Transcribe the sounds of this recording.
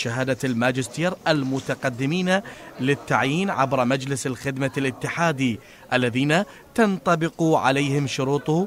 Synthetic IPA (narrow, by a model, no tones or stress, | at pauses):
ʃaɦaːd̪almaːd͡ʒɪst̪iːɾʔalmʊt̪aqɑd̪ːɪmiːnalɪt̪ːaʕjiːnʕa̰bɾmad͡ʒlɪsalxɪd̪malʔɪt̪ːɪħaːd̪i | ʔalːaðiːna | t̪ɑnt̪ˤɑbɪquʕa̰lajːhɪmʃʊɾuːt̪ˤʊ